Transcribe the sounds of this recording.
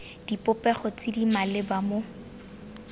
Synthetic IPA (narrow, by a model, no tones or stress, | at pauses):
d̥ipʼʊpɛχɔt͡sɪdimalɪbamo